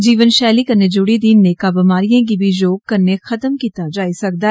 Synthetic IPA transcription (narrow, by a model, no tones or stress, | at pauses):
d͡ʒiːʋənʃɛːliːkəneːd͡ʒʊɽiːd̪inːeːkabəmaːɾijãːɡiːbʱiːd͡ʒoːɡ̚kəɾneːxʰət̪əmkiːt̪aːd͡ʒaːisək̚d̪aː